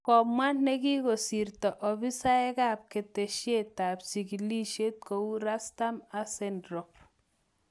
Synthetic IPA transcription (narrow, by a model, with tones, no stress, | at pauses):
kɔ˨mwa˦nne˦ki˦ko˨si˨rtɔ˨ʔɔ˨bi˦sa˦ɛ˦kaː˦˨p̚ke˨te˨ʃje˦ta˨psi˨kili˦ʃe˦t̚ko˨u˦ɾa˦sta˦ma˨sendɾɔ˨p̚